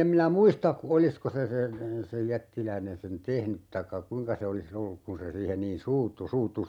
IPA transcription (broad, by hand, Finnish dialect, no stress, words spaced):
em minæ muistɑ olisko se sen sej jætːilæinen sen tehnyt tɑĭkːɑ kuĭŋkɑ se olis olːuk kun se siːhen niːn suːtːu suːtːu